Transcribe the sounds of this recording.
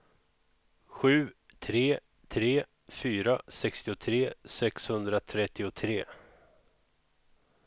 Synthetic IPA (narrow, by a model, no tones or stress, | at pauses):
ɧʉ̟ː | t̪ʰɾeː | t̪ʰɾeː | fyːɾasɛkst̪ɪʊt̪ʰɾeːsɛkshɵnd̪ɾat̪ʰɾɛt̪ːɪʊt̪ʰɾeː